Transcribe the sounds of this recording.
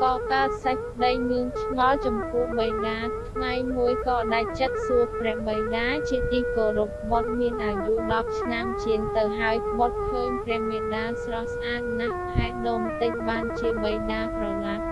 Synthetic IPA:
kɑːkaəsac̚pɗəjmɨəŋt͡ɕʰŋɑlt͡ɕɑmpŭəhɓəjɗaːt̪ʰŋajmuəjkɑːɗac̚t͡ɕət̪̚suəprɛ̆əhɓəjɗaːt͡ɕiət̪iːkoːɾup̚ɓot̪̚miənʔaːjuɗɑp̚t͡ɕʰnamt͡ɕiəŋt̪ɨwɦaəjpɓot̪̚kʰəːɲprɛ̆əhmiəɗaːsrɑhsʔaːt̪̚nahʰaɛt̪̚ɗɔːmt̪ɨc̚ɓaːnt͡ɕiəɓəjɗaːprɑlat̪̚

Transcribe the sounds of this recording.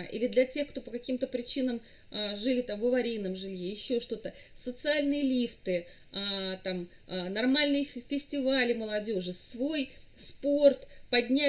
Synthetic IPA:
ʔḭlʲɪd̪lʲɐtʲe̞xkt̪opəkɐkʲimt̪əpɾʲɪt͡ɕinəm | ʐɨlʲɪt̪amvəvɐɾʲijnəmʐɨlʲjejɪɕːoʂt̪o̞t̪ə | sət̪sɨalʲnɨjəlʲift̪ɨ | at̪am | nɐrmalʲnɨjəfʲɪsʲtʲɪvalʲɪməlˠɐdʲo̞ʐɨsvo̞jspo̞rt̪pɐdʲnʲæ

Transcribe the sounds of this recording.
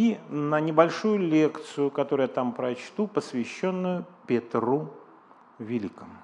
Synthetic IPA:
inənʲɪbɐlʲʂujʊlʲe̞kt̪sɨjʊkɐt̪oɾʊjat̪ampɾɐt͡ɕt̪upəsvʲɪɕːo̞nːʊjʊpʲɪt̪ru | vʲɪlʲikəmʊ

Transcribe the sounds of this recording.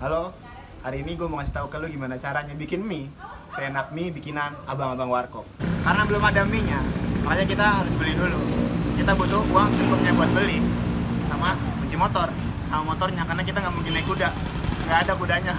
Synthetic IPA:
alo | haɾiːniɡuamoŋasiht̪aukəluɡimanat͡ʃaɾad͡ʒabikɪnmi | senak̚mibikinanabaŋabaŋwarkɔk̚kaɾənabəlʊmadamiɲamakaɲakit̪aɦaɾʊsbəlidulukit̪abut̪ʊuaŋsəkʊt̪̚ɲabuat̪̚bəlisama | mət͡ʃimot̪ɔr | samamot̪ɔrɲakarnakit̪aŋɡaʔmuŋɡinaikudaʔ | ŋɡaʔːdakudaɲa

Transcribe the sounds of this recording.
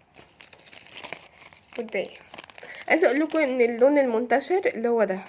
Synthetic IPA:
wed̪ːæj | ʔæjzæʔuːlːukʊʔenːelːoːnelmont̪æʃeɾelːihowːæd̪æ

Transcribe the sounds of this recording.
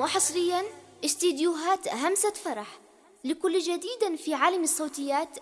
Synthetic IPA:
wɪħɑsˤɾɪjːanʔɪst̪id̪juɦaːt̪ɦamsafɑɾˤɑħ | lɪkʊlːd͡ʒad̪iːd̪afiʕaːlamɪsˤːoːt̪ɪjːaːt̪

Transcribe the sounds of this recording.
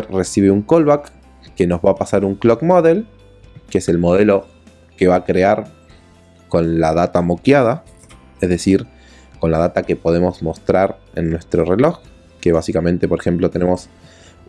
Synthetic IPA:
ɾre̞siβeuŋkolβakː | e̞no̞zβaːpasaɾuŋklokmoðel | keese̞lmo̞ð̞e̞lo̞ | ke̞βakɾeaɾ | ko̞nlaðat̪amo̞kjað̞a | ezðe̞siɾ | ko̞nlað̞at̪ake̞po̞ð̞emo̞zmo̞st̪ɾaɾe̞̰nːwe̞st̪ɾo̞re̞lo̞x | ke̞β̞asikamẽnt̪e̞po̞ɾexe̞mplo̞t̪e̞nemos

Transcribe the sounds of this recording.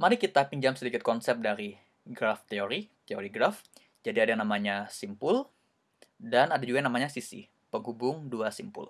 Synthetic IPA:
maɾikit̪apiɲd͡ʒamsədikɪt̪̚kɔnsɛp̚daɾi | ɡɾaft̪eoɾit̪eoɾiɡɾaf | d͡ʒadiadajnamaɲasimpʊl | danadad͡ʒuɡanamaɲasisḭ | pəŋɦubʊŋduasimpʊ̰l

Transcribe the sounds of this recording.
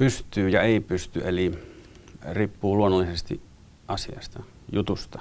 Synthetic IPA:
pyst̪ˑyːjɑeˑipyst̪yeli | riːpːuːluonːolːisest̪ḭ | ʔɑsiɑ̰st̪ɑ | jut̪ust̪ɑ

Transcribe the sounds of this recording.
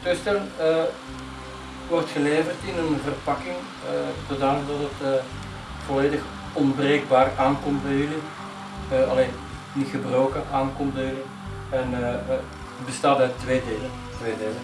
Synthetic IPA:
tøstɛlnə | ʋɔrtxəleːvərtɪnənvərpɑkɪŋ | əzodaːnədɑtətə | v̥ɔleːdəx | ɔnbreːɡ̚baːrʔaːnkɔmt̚bɛjyli | əɑleːn | nitxəbroːkəʔaːnkɔm̚bɛjyli | ɛn | bəstaːtœtʋeːdeːlən | tʋeːdeːlən

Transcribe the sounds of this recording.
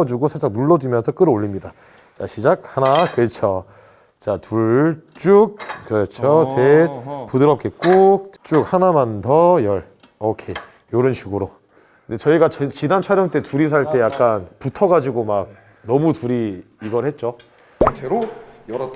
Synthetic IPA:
d͡ʑuɡosʰat͡ɕ͈aŋnuɭːʌd͡ʑumjʌnsʰʌk͈ɯɾoʎːimɲida | t͡ɕaɕʰid͡ʑak̚hanakɯɾʌt͡ɕʰo | t͡ɕatʰuɭt͡ɕ͈uk̚kːɯɾʌt͡ɕʰosʰepudɯɾʌp̚k͈ek͈ok̚t͡ɕ͈uk̚hanamantʰʌjʌɭ | okʰe̞ | joɾɯnɕʰiɡɯɾo | ɯnde̞t͡ɕʌiɡat͡ɕt͡ɕinant͡ɕʰwaɾjʌŋt͈e̞tuɾis̬ʰaɭt͈e̞jak̚k͈anputʰʌɡad͡ʑiɡomak̚ | nʌmutuɾiː | ɡʌɭhe̞t̚t͡ɕ͈o | tʰeɾoj

